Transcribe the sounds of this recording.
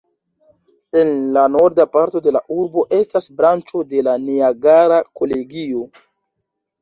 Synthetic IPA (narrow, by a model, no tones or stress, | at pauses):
e̞nlano̞ɾdapaɾto̞de̞laʔuɾbo̞ʔe̞stasbɾant͡ʃo̞de̞laniaɡaɾako̞le̞ɡio̞